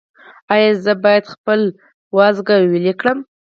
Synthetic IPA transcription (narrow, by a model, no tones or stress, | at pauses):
ɑjɑzəbɑjad̪xpəl | wɑzɡawilikɽəm